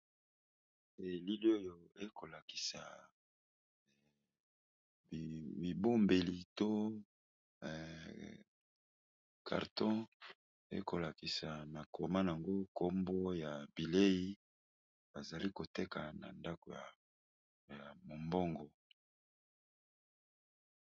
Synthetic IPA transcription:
e˨li˦li˦o˦jo˦e˦ko˨la˨ki̥˨sa˨ | bi˨bo˦mbe˨li˨to˦˨ | kʰa̰˨ʁtɔ̃˦ | ḛ˦ko˨la˨ki˨sa˨ma˨ko˨ma˦n˨a˨ŋɡo˦ko˦mbo˦ja˨bi˨le˦ji˦ | ba˨za˨li˦ko˨te˦ka˨na̰˨nda˦ko˨ja˨ | ja˨mo˨mbo˦ŋɡɔ˨

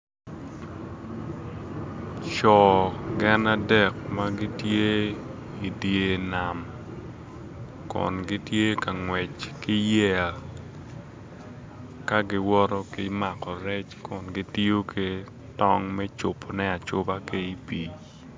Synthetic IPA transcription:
t͡ʃɔ˨ɡɛ˦na˦dɛ˨k̚ma˦ɡɪ˦tje˦ | i˨dje˨na˨m | kɔ̰˨nɡɪ˦tje˦ka˨ŋwɛ˨t͡ʃkɪ˦jɛ˨l | ka˦ɡɪ˦wɔ˦ɾɔ˦kɪ˦ma˨kɔ˨ɾɛ˦t͡ʃkʊ˨nɡɪ˦ti˦o˦kʰɪ˦ | tɔ˦ŋmɛ˦t͡ʃʊ˨pʰɔ˨nɛ˦a˨t͡ʃʊ˦ba˦ke˦i˦pi˨

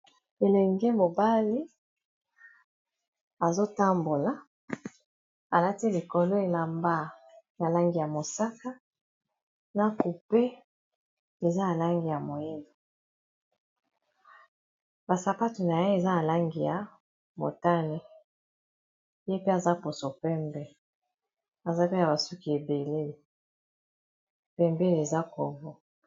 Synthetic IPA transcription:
e˨lɛ˨ŋɡe˦mo˨ba˦li˦ | a˨zo˦ta˦mbo˨la˨˦ | a˨la˦ti˦li˨ko˨lo˦e˨la˨mba˦˨na˨la˦ŋɡi˨ja˨mo˨sa˦ka˦ | na˨ku˨pe˦ | e˨za˦a˨la˦ŋɡi˨ja˨mo˨je˦lo˨ | ba˨sa˨pa˦tu˨na˨je˦e˨za˦na˨la˦ŋɡi˨ja˨ | mo̰˨ta˦ne˦ | je˦pe˦a˨za˦po˨so˨pɛ˦mbɛ˦ | a˨za˦pe˦na˨ba˨su˦ki˨e˨be˨le˦˨ | pɛ˨mbɛ˦le˨za˦kɔ̰˨vɔ˦

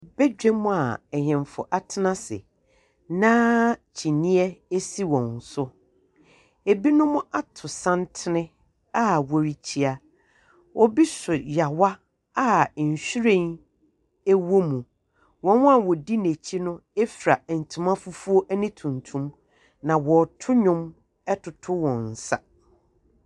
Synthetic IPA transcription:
b̥ɛ˦d͡ʑᶣɛ˦mʊ̃˦a˨ɛ˨ɲɛ̃˨m˨fʊ̰˨ʔa˨tʰɪ˦nã˦sɪ̰˨ | nãː˦t͡ɕʰi˨nĩ˦ɛ˦e˦si˦wɔ̃˨n˨sʊ˦ | e˨bi˦nʊ̃˦mʊ̃˦ʔa˦tʰʊ˨sã˦n˦tʰɪ˦nɪ̃˦ | a˦wɔ˨ɾi˨t͡ɕʰi˦a˨ | wʔɔ˦bi˦sʊ˨ja˨wa˦ | a˦˨ɕᶣi˦ɾẽ˦n | e˦wo˦mũ˨ | wɔ̃˦nwa˦˨wɔ˨di˦ne˨t͡ɕʰi˦nʊ̃˦e˦fɾa˨n̩˨tʰũ˨mã˦fʊ˦fu˦o˦ʔæ˦nɪ̃˦tʰũ˨ntʰũ˦m | nã˨wɔ˨tʰʊ˦ɲʊ̃˦m | ɛ˦tʰʊ˨tʰʊ˦wɔ̃˨n̩˨sa̰˨

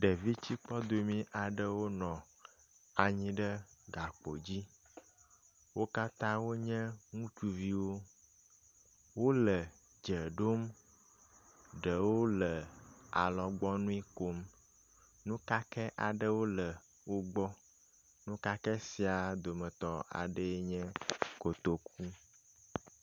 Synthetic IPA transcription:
ɖə˨vi˦t͡ɕi˦k͡pɔ˦d̪o˨mĩ˦ʔa˨ɖə˦wo˦nɔ̃˨ | a˨ɲĩ˦ɖə˦ɡa˨k͡po̰˨d͡ʑi˦ | wo˦ka˦t̪ã˦wo˦ɲɛ̃˦ŋũ˦t͡ʃu˨vi˦wo˦ | wo˦lə˨ | d͡ʒə˨ɖo˦m | ɖə˨wo˦lə˨a˨lɔ˨ɡ͡bɔ˦nũ˦i˦ko˦m | nũ˦ka˦kɛ˦ʔa˨ɖə˦wo˦lə˨ | wo˦ɡ͡bɔ˦ | nũ˦ka˦kɛ˦si˨a˨d̪o˨mə̃˨t̪ɔ˦a̰˨ɖə˦e˦ɲɛ̃˦ko˨t̪o˨k̚ʰu˦

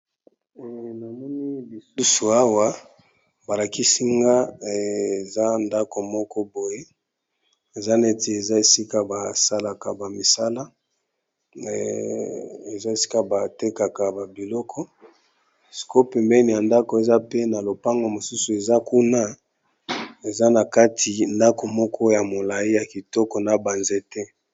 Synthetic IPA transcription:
ɛ˨na˨mɔ˦ni˦bi˨su˦su˨a˦wa˦ | ba˨la˨ki˦si˦ŋɡa˦˨ | za˦nda˦ko˨mɔ˦kɔ˦bo˨je˦ | e˨za˦ne˦te˨e˨za˦e˨si˦ka˨ba˨sa˦la˨ka˨ba˨mi˨sa˦la˦˨ | e˨za˦e˨si̥˦ka˨ba˨te˦ka˨ka˨ba˨bi˨lɔ˦kʰɔ˦ | si̥˨ko˦pɛ˨mbɛ˦ni˨ja˨nda˦ko˨e˨za˦pe˦na˨lo˨pa˦ŋɡo˨mo˨su˦su˨e˨za˦ku˦na˦ | e˨za˦na˨ka˦tʰi˨nda˦ko˨mɔ˦kʰɔ˦ja˨mo˨la˨i˦ja˨ki˨tɔ˦kɔ˨na˨ba˨nze˦tɛ˦

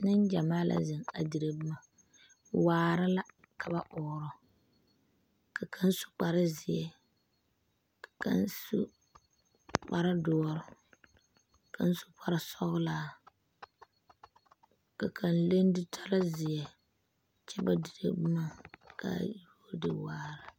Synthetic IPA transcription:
nɨ˦nd͡ʒa˨maː˦lʔa̰˨zɨ˨ŋa̰˨di˨ɾe˨bɨ˦ma˨ | waː˨ɾa˦la˦ | ka˨ba˦ʔɔː˨ɾʊ˦ | ka˨kʰa˦n˦su̥˦k͡pa˨ɾa˦zɪ˨jɛ˨ | kḁ˨ka̰˦nsṵ˦ | k͡pa˨ɾa˦dɔː˦ɾʊ˨ | ka̰˨n˦su̥˦k͡pa˦ɾa˦sɔ˦ɣʊ˦laː˦˨ | ka˨kʰa˨nle˦ndɪ˦tʰa˦la˦zɪ˨jɛ˨ | t͡ʃɛ˦ba˦di˨ɾḛ˨bu˦na˦kʰa̰˨ju˦o˦dɪ˦waː˦ɾa˦

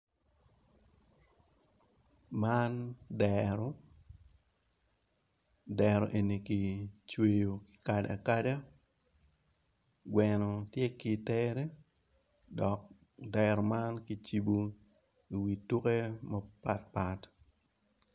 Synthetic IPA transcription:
mandɛɾɔ˦ | dɛɾɔ˨ʔe˨ni˨ki˨t͡ʃwe˨jo˨ki̥kada̰˨kada˦ | ɡwɛnɔ˨tje˦ki˨teɾe˦ | dɔ˨k̚ | dɛɾɔ˨ma˦nki˨t͡ʃi˨bo˦ | i˨wi˨tu˦ke˦mɐpa˨t̚pat

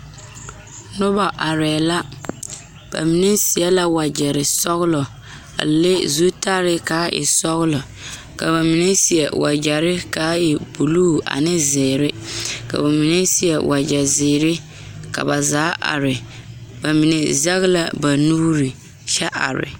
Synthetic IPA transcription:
nʊ˦ba˨ʔa˨ɾɛː˨la˦ | b̥a̰˨mi˨nɛ˦si˨ɛ˦la˦wa˨d͡ʒɛ˨ɾɪ˨sɔ˦ɣʊ˦lɔ˨ | a̰˨le˦zu˦ta˦ɾɪ˦kaː˨˦ʔɪ̰˨sɔ˦ɣʊ˦lɔ˨ | ka˨βa˨mi˨nɛ˦si˨ɛ̰˨wa̰˨d͡ʒɛ˨ɾɪ˦kaː˦ɪ˨bu˨luː˦˨ʔa̰˨nɪ˦zɪː˨ɾɪ˦ka̰˨ba˨mi˨nɛ˦si˨ɛ˨wa˨d͡ʒɛ˨zɪː˨ɾɪ˦ | ka̰˨ba˨zaː˨˦ʔa̰˨ɾɪ˨ba˨mi˨nɛ˨zɛ˦ɣla˦ba˨nuː˦ɾi˨ | t͡ʃɛ˦ʔa̰˨ɾɪ̰˨

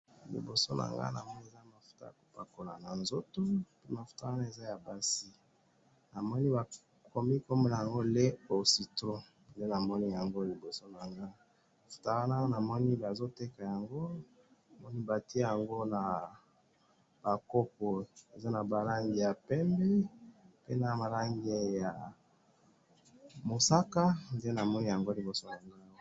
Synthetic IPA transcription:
lḭ˨bo˨so˦nʔa̰˨ŋɡa̰˦na̰˨mɔ˦ni˦e˨za˦˨ma˨fu̥˨ta̰˦a̰˨ko˨pa˨ko˨la˨na˨nzo˦to˦pe˦ma˨fu̥˨ta˨ɣa˦na˦e˨za˦ja˨ba˦si˦ | na˨mɔ˦ni˦ba˨ | ko˨mi˦ko˦me˦la˨ja˨ŋɡo˦le˦o˨si˨tʁo˦ | nde˦na˨mɔ˦ni˦ja˨ŋɡo˦li˨bo˨so˦na˨ŋɡa˦ | a˨fu̥˨ta˨ɣa˦na˦na˨mɔ˦ni˦ba˨zo˦te˦ka˨ja˨ŋɡo˦ | a˨mɔ˦ni˦ba˨ti˦e˦ja˨ŋɡo˦na˨ | b̥a˨ko˦po˨e˨za˦na˨ba˨la˦ŋɡi˨ja˨pɛ˦mbɛ˦pe˦na˨ma˨la˦ŋɡe˦ja˨ | mo˨sa˦ka˦nde˦na˨mɔ˦ni˦ja˨ŋɡo˦li˨bo˨so˦na˨ŋɡa˦o˨

